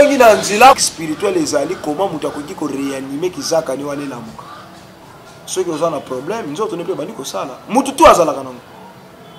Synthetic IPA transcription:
eŋɡinanzelakspiʁitɥɛlezalikomamutuakok̬ikoʁeanimekizakaniwanelamokḁ | sɔkiozanapʁoblɛmnzotonepebandikosalamututuazalakanaŋo

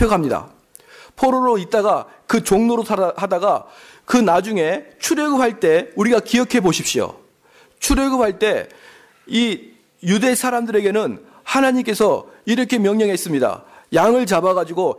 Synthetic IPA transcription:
jʌɡaamɲida̰ | pʰoɾoɾoit̚t͈aɡa | kɯt͡ɕoŋnoɾohadaɡa | kɯnad͡ʑuŋe̞t͡ɕʰuɾjʌɡɯpʰaɭt͈e̞uɾiɡakiʌkʰe̞boɕʰip̚ɕ͈ijo̰ | t͡ɕʰuɾjʌɡɯphaɭt͈e̞ | i | jude̞sʰaɾamdɯɾe̞ɡe̞nɯn | hanaɲimk͈e̞sʰʌiɾʌkʰe̞mjʌŋɲʌŋɦe̞s͈ɯmɲida̰jaŋɯɭt͡ɕabaɣad͡ʑiɡo

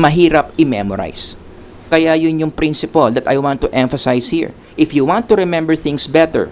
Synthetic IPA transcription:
mɐɦiːɾɐp̚ɪmɛmɔɾa̰js | kɐjajʊnjʊŋpɾĩnsɪpɐld̪ɐt̪ɐ̰jwãnt̪ːʊʔɛ̃ɱfɐsajshḭɹ | ʔɪfjuwãnt̪ːʊɾɛmɛ̃mbɛɹθɪ̃ŋsbɛt̪ɛ̰ɹ

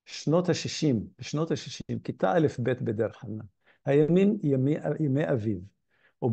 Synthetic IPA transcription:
ʃnot̪haʃiʃimeʃnot̪haʃi̥ʃimkit̪a̰ʔalefbet̪bed̪eɾħana | hajamiːmjameʔjameʔaviv | ʔub

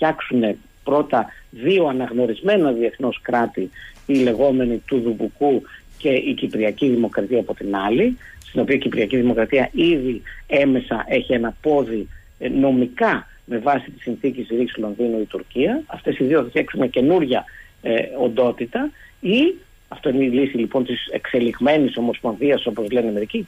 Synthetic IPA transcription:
fçɐksune̞ | pɾo̞t̪ɐðio̞ɐnɐɣno̞ɾizme̞nɐðie̞θno̞skɾɐt̪iile̞ɣo̞me̞nit̪uðubukuce̞ʔicipɾiɐciðimo̞kɾɐt̪iɐːpo̞t̪inɐlist̪ino̞piɐicipɾiɐciðimo̞kɾɐt̪iɐʔiðie̞me̞sɐʔe̞çie̞nɐpo̞ði | no̞mikɐ | me̞vɐsit̪i̥sinθicisiɾislo̞nðinuit̪uɾciɐɐft̪e̞siðioθesçeksimɲɐce̞nuɾʝɐ | o̞nd̪o̞t̪it̪ɐi | ɐft̪o̞ineilisilipo̞nt̪isḛkse̞liɣme̞niso̞mo̞sponðiɐso̞po̞zle̞neɐmeɾici

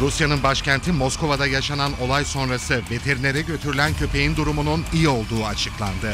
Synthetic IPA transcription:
ɾusjanɯnbaʃcænt̪ʰimo̞skʰo̞vad̪ajaʃanano̞lˠajso̞nɾasɯve̞t̪ʰe̞ɾinʲeɾɛɟø̞t̪ʰyɾylʲæncʰø̞pʰe̞jind̪uɾumununijio̞lˠd̪uːat͡ʃʰɯklˠa̰nd̪ɯ

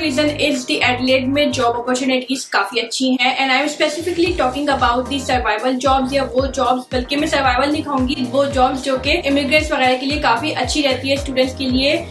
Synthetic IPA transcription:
ɾiːzənɪzd̪iʔɛːɖleːɖmẽd͡ʒɔːbɔːpəɾt͡ʃuːnɪʈizkaːfiɐtːʃʰiɦɛ̃ʔɛ̃ːnaːɪ̃mspɛsɪfɪkliʈɔːkɪ̃ŋɡɐbaːʊʈ̚d̪iːsɐɾʋaːɪʋəld͡ʒɔːbzjaʋod͡ʒɔːbzbɐlkemẽsɐɾʋaːɪʋəlnĩkʰaũːŋɡiʋod͡ʒɔːbzd͡ʒoːkeʔɪmɪɡɾẽːʈsʋɐɣɛːɾekeliekaːfiʔɐtːʃʰiɾɛɦt̪iɦɛsʈuːɖə̃ɳʈskelie

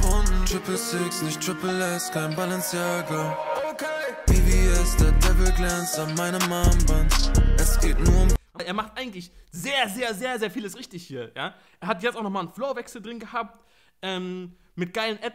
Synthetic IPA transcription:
fɔntʁ̥ɪpl̩sɪksnɪçtʁ̥ɪpl̩ɛstkʰaɪnbalɛnsjaːɡɐokʰeɪviːviːɛsd̥ɛɐdɛvl̩ɡlɛnstafmaɪnəmaːmbantʔɛsɡ̥eːtnuːɐʊmʔaʔeːɐmaχtʔaɪɡŋ̩tlɪç | zeːɐzeːɐzeːɐzeːɐfiːləsʁɪçtɪçhiːɐja̰ː | ʔeːɐɦatjɛt͡staʊxnɔχmaːlnfloːvɛksl̩dʁɪnɡəhaːp̚t | ʔɛːm | mɪt̚ɡ̥aɪlənʔɛt

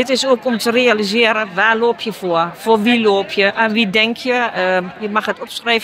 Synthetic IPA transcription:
dɪtɪsoːkɔmtərealizɪəɾəʋaːloːpʰjəfoəfoʋiloːpʰjəʔənʋidɛŋkʰjəjəmaxətɔpskrɛv

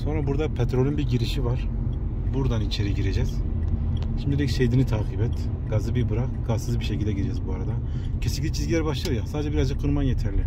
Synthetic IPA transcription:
so̞nɾabuɾd̪apʰet̪ɾo̞lʲynbiɾɟiɾiʃivaɾ̥buɾd̪anit͡ʃʰe̞ɾiɟiɾe̞d͡ʒɛz̥ | ʃimd̪iɛcse̞jd̪init̪ʰaːqʰibɛt̪ | ɡ̥azɯbiɾbɯɾaqɡ̥azɯzbiʃe̞cʰilʲd̪ɛɟiɾed͡ʒɛzbuaɾad̪a | cʰesinklʲict͡ʃʰizɟilʲæɾbaʃlˠaɯjasaded͡ʒɛbiɾazd͡ʒɯk̚ːuɾmanjet̪ʰæɾlʲɪ

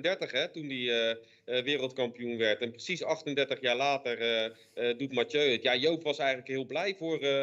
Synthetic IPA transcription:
ndɛɹtəχɦɛtundiə | ʋɪːrəlˠtkɑmpijunʋɛɹtɛnprəsisɑχtəndɛɹtəχjaːɹlaːtərə | dutmatøɥətjajowpʋɑsɛjχəntləkɦɪːlˠblɛjvʊːr

